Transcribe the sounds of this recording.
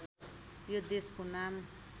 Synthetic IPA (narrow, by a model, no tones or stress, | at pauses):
jod̪eskonam